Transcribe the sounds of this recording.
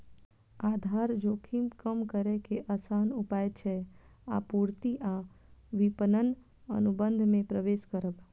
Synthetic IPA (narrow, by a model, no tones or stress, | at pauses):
ad̪ʱaɾd͡ʒokʰimkəmkəɾɛkeʔasanupajt͡ʃʰɛa̰puɾt̪iʔa | ʋipənən | ə̰nubənd̪ʱmẽpɾəʋeskəɾəb